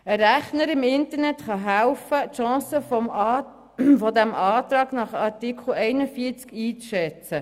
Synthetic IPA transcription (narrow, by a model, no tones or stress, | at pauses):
əɾæχnəɾɪmɪnt̪əɾnɛt̪χɑɦælfətʃɑ̃ːsə | fɔd̪æmʔɑːt̪ɾɑːɡnɑχɑɾtikʰl̩ɛɪnəfiːət͡skiːt͡sʃɛt͡sə